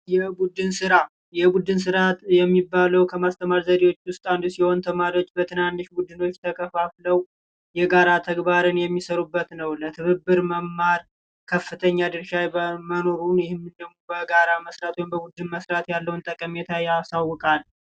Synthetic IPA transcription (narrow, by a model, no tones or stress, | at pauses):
jɛbud̪ɨnsɨɾa | jɛbud̪ɨns̬ɨɾat̪jɛmːibːaləwkʰəmast̪ʰəmaɾzəd̪ewo̞t͡ʃːwʊst̪ʼand̪usiho̞nt̪ʰəmaɾio̞t͡ʃʼbət̪ʰɨnanːɨʃbud̪ːɨno̞t͡ʃːt̪ʰəkʰəfafləw | jɛɡaɾat̪ʰəɡbaɾɨnjɛmːisəɾubːət̪nəwlət̪ʰɨβɨbːɨɾməmːaɾ | kʰəfːɨt̪ʰəɲːad̪ɨɾʃajəməno̞ɾunjɪhɪmːɨnd̪əɡmubəɡaɾaməsɾat̪wjmbəbud̪ːɨnməsɾat̪jalːəwnt̪ʼəkʼəmet̪ʰajasawɔkʼal